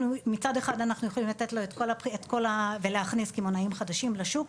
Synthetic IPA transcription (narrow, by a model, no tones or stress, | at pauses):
numit͡sade̞χadanaχnujeχolimlat̪e̞t̪lo̞et̪kolaet̪ko̞laveleaχniskimonaimχadaʃimlaʃuk